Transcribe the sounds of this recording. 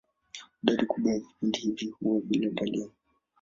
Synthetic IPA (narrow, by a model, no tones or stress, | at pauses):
ɗaɾikuɓwaavipundihivihuwaɓilabalia